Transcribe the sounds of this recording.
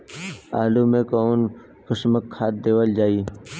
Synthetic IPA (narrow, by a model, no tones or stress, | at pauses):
a̰ːlumẽkɔːn | kəʃməkʰːaːt̪̚d̪eːʋəld͡ʒaːiː